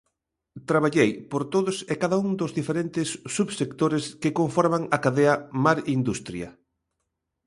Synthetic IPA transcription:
t̪ɾaβ̞aʎejpoɾt̪oðʊsekaðauŋd̪ozðifeɾent̪ɪsːuβsekt̪oɾɪskɪkoɱfɔɾmaŋɐkaðeɐmaɾind̪ust̪ɾjɐ̰

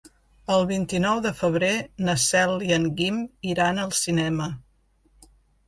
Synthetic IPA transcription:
əlˠβint̪inɔwðəfəβ̞ɾenəsɛlˠiəŋɡimiɾanəlˠsinɛmə

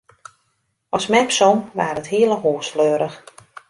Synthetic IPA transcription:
ʔɔsmɛpsɔmʋa̰ːrəthiələɦoːsfløːɾəx

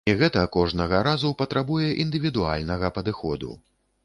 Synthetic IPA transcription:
iɣɛt̪ɐkɔʐnɐɣɐɾazupɐt̪ɾabujɛʔind̪ɨvʲid̪ua̰lʲnɐɣɐpɐd̪ɨxɔd̪ṵ

